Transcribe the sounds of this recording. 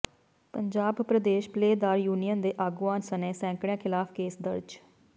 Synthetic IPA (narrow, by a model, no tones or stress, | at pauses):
pəɲd͡ʒaːbpɾəd̪eːʃpleːd̪aːɾjuːnijənd̪eːʔaːɡʊʋaːnsəneːsɛ̃ːŋkɽjãːkʰɪlaːpʰkeːsd̪əɾd͡ʒ